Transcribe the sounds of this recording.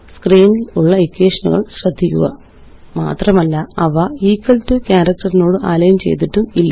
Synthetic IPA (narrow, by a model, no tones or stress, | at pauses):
skriːniluɭːɐikːeːʂɐnuɣɐ̰ɭɕrɐd̪ʱːikʲːuɣɐ̰ | ma̰ːt̪rɐmɐlːɐɐʋɐiːkːɐltukʲaːɾɐk̚ʈɐrino̞ːɽɨʔa̰ːlɐjɐnt͡ɕḛjt̪iʈːumilːɐ